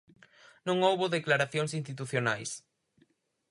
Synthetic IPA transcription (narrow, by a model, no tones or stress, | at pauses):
nõŋowβoðeklaɾaθjoŋsinst̪it̪uθjonajs